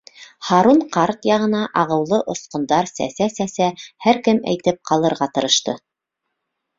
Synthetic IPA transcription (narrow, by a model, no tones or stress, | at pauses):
χɑɾuɴqɑɾt̪jɑʁɤ̆nɑʔɑʁɤ̆wlˠɤʔŏsqŏnd̪ɑɾsæ̰sæsæsæhæɾkɘmæ̰jt̪ɘp̚qɑlˠɤ̆ɾʁɑt̪ɤ̆ɾɤ̆ʃt̪ɤ̰